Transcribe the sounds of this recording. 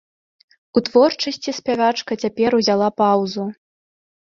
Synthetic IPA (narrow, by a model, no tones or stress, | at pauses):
ut̪vɔrt͡ʂɐsʲt͡sʲispʲavat͡ʂkɐt͡sʲapʲɛɾuzʲalˠapawzu